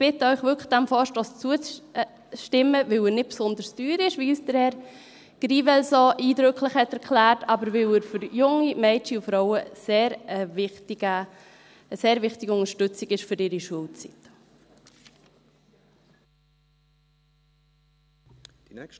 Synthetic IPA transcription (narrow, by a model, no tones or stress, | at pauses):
b̥ɪtəœʏχʋʏkə̥d̥æmfɔːʃtɔːst͡suət͡s | ʃtɪmːəvɪlənɪt̚psʊnd̪əɾstyːɾɪʃʋiyːsdəɾhɛɾ | ɡ̥ɾiːvɛlsoʔiːdɾøkʰləχhɛtɛɾkʰlæːrtʰɑbəɾʋɪləɾfʏɾjʊŋimɛɪt͡ʃiufɾɔʊəseːɾəvɪtiɡə | əseːɾvɪχtiɡəʊŋəʃtʏt͡sɪɡ̥ɪʃfʏɾɪːɾiʃuəlt͡sḭt